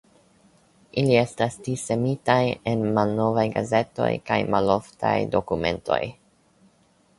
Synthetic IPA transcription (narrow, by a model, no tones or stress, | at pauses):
ʔilie̞stastise̞mitajenmalno̞vajɡaze̞to̞̰jkajmalo̞ftʰa̰jdo̞kume̞̰ntʰo̞̰j